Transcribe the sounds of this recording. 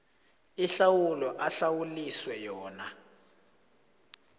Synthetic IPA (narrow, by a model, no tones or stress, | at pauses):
iɬawulɔʔaɬawuliswɛjɔːna